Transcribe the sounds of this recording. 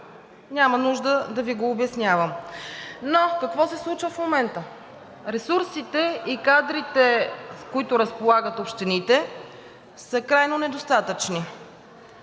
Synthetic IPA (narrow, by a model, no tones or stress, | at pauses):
nʲamənuʒd̪əd̪ɐviɡoːbɛsnʲavəm | nokɐkvɔsɛslˠut͡ʃvəfmomɛnt̪ə | ɾɛsuɾsit̪ɛikad̪ɾit̪ɛskoit̪ʊɾəspolˠaɡət̪opʃt̪ɛnit̪ɛ | səkɾajnonɛd̪ost̪at̪ət͡ʃni